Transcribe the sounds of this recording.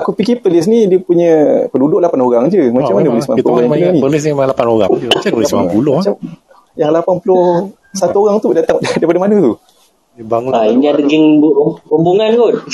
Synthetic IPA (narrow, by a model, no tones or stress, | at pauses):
akupikipəlɪs̬nidiəpuɲəpədudʊʔlapanoɾaŋd͡ʒəmat͡ʃamːanəpəlɪsmapuoaãənipəlɪs̬nimaŋlapanoɣa̰ŋat͡ʃalɪsmapulot͡ʃa | jaŋlapanpulʊh | sat̪uoɣaŋt̪udat̪aŋddajpadəmanət̪u | baŋuaiŋaɡiŋbuʔkumbuŋankon